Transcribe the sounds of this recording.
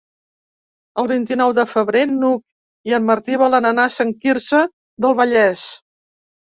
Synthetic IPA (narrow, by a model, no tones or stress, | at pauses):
əlˠβint̪inɔwðəfəβɾenuk̚ | iəmːəɾt̪iβalənənasəŋkirsə | ðəlˠβəʎɛs